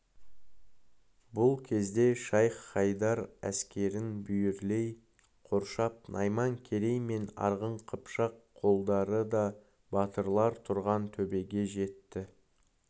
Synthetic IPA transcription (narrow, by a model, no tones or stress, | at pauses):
bʊlˠkʲʰe̞zd̪e̞ʃɑjqːɑjd̪ɑɾæskʲe̞ɾɪnbʏjɪɾle̞j | qʰo̞ɾʃɑp̚nʔɑjmɑŋkʲʰe̞ɾe̞jme̞nɑ̰ɾʁəɴqʰəpʃɑqʰːo̞lˠd̪ɑɾəd̪ɑ | bɑt̪əɾlˠɑɾt̪ʰʊɾʁɑnt̪ʰɵbe̞ɡʲe̞ʒe̞t̪ːɪ